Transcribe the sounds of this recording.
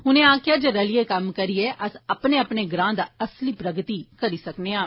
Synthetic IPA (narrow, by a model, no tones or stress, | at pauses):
ɦʊnẽːãːkjaːd͡ʒeɾəlɪekəmkəɾieːʔəsəpneːəpneːɡɾãːnd̪aːəsliːpɾəɡt̪iːkəɾiːsəkneːãː